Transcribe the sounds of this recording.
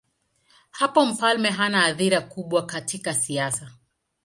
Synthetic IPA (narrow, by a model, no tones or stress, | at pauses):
hapɔm̩falmɛɦanaːðiɾakuɓwakatikasiasa